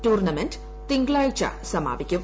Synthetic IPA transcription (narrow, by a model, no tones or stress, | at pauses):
ʈuːrnɐmenɖ | t̪iŋɡɭaːjit͡ɕa̰sɐma̰ːbikʲːum